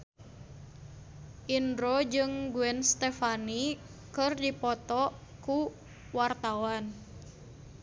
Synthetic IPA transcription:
ʔindɾod͡ʒɨŋɡuɛnst̪ɛfanikɨrdipɔt̪ɔku | wart̪awan

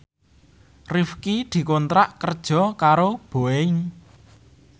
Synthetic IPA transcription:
rifkid̪̥i̤kɔnt̪ɾaʔkərd̥ʒ̥ɔ̤kaɾob̥o̤ein

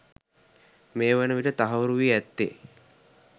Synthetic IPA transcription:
meːʋenəʋiʈət̪aɦɐʋəɾuʋiːæt̪ːḛ

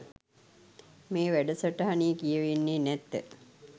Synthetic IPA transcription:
meːʋæɖəsəʈəɦaniːkijəʋinːeːnɛt̪ːə̰

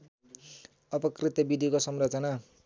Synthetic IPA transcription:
ʌpʌkrit̪ʌbid̪ʱikosʌmrʌt͡sʌna

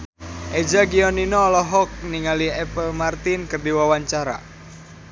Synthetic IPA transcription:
ʔed͡ʒaɡiɔninɔːlɔɦɔk̚niŋaliɛpəlmart̪inkərd̪iwawaɲt͡ʃaɾa̰

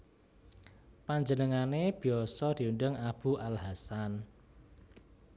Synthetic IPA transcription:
paɲd͡ʒənəŋaneb̥i̤ɔsɔd̪̥i̤unɖəŋab̥uʔalɦasan

